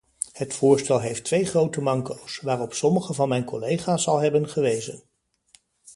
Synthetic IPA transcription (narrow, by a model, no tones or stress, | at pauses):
hətfʊːɹstɛlˠɦejftʋejχrowtəmɑŋkowsʋaːrɔpsɔməχəvɑnmɛjnkɔlejχaːsɑlˠɦɛbənχəʋejzə̰n